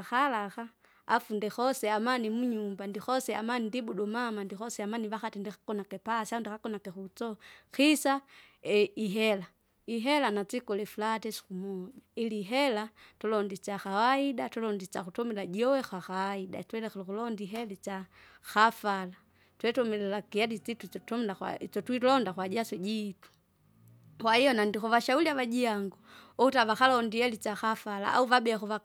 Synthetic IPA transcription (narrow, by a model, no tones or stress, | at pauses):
axalaxa | afundɛxɔsɛamanimuɲumbandixɔsɛamanindibuɗɔmamandixɔsɛamaniβaxatindixakɔnakɛpasaundixakɔnakɛxut͡sɔxisa | ɛiɦɛla | iɦɛlanat͡sikɔlɛfulatɛsi̥kumɔd͡ʒailiɦɛlatɔlɔndit͡ʃaxawaidatulɔndit͡ʃakutɔmilaɟiɔwɛxwaxawaida̰twɛlɛxɛlɔkulɔndiɦɛlit͡ʃa | xafala | twɛtɔmɛlɛlakijadit͡situɔtɔmlaa̰t͡ʃɔtwilɔndakwaɟasɔɟiːtu̥ | kwahijɔnandixɔvaʃauliavaɟiaŋɡuɔutavaxalɔndihɛlit͡ʃaxafala̰ʔa̰uvabɛaxuva